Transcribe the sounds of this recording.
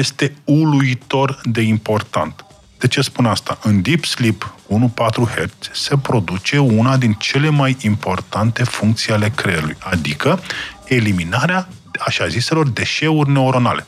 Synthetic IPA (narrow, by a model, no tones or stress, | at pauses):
je̞st̪e̞uluit̪o̞rd̪e̞impo̞rt̪a̰nt̪ | d̪̥et͡ʃespunast̪aʔɨnd̪ipslipunupat̪ɾuhert̪sʲse̞pɾo̞d̪ut͡ʃe̞unad̪int͡ʃe̞le̞majimpo̞rt̪ant̪e̞fuŋk̚t̪siale̞kɾeulṵjad̪ikəe̞liminaɾea | aʃazise̞lo̞rd̪e̞ʃe̞urʲne̞oɾo̞na̰le̞̰